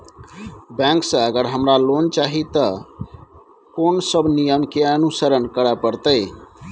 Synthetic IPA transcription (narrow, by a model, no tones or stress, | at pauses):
bɛ̃ŋksə̃əɡəɾɦəmɾalont͡ʃaɦit̪ə | konsəbnijəmkeənusəɾənkəɾəpəɾt̪əj